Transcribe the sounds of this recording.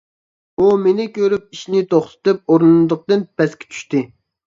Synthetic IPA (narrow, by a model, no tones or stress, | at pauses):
umenɪkʲøɾyp̚iʃnɪt̪ʰoχt̪ʰɨ̥t̪ɨp̚oɾnd̪əq̚t̪ɨnpʰɛskʲʰɛ̥t͡ʃʰy̥ʃt̪ɪ